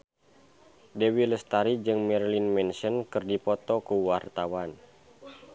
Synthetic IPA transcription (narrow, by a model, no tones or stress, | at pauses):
dewiləst̪aɾid͡ʒɨŋmɛrlinmɛnsənkɨrdipɔt̪ɔkuwart̪awan